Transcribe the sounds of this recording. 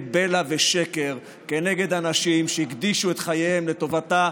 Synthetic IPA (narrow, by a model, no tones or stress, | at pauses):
belaveʃe̞ke̞ʁ | ke̞ne̞ɡe̞d̪anaʃimʃeiɡd̪iʃue̞t̪χajejemle̞to̞vata